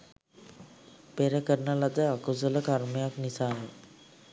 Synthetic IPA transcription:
peɾəkəɾnalad̪əakusələkaɾmijaknisaːne

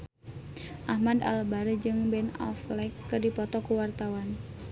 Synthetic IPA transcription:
ʔahmada̰lbaɾəd͡ʒɨŋbɛnɔ̰flɛkːɨdipɔt̪ɔkuwart̪awan

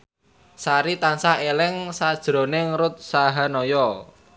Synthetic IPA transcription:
saɾit̪ansaelɪŋsad̥ʒ̥ɾo̤neŋɾʊt̪̚saɦanɔjɔ

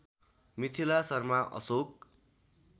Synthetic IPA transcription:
mit̪ʰilasʌrmaʔʌ̰sok̚

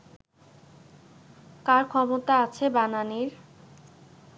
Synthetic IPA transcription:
kaɾkʰɔmot̪aat͡ɕʰebananiɾ

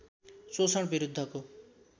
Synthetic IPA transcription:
sosɔɽ̃biɾud̪ʱːɔku

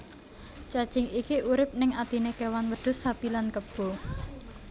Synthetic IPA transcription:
t͡ʃad̥t͡ʃɪ̤ŋikiʔuɾɪp̚nɪŋat̪inekewanwəɖ̥ʊ̤sapilankəb̥o̤

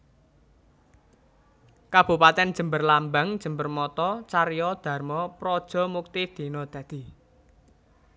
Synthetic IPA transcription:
kab̥ṳpat̪ɛnd̥ʒ̥ə̤mbərlambaŋd̥ʒ̥ə̤mbərmɔt̪ɔt͡ʃaɾjɔd̪̥a̤rmɔpɾɔd̥ʒ̥ɔ̤muk̚t̪ɪd̪̥i̤nɔd̪̥ä̤d̪̥i̤

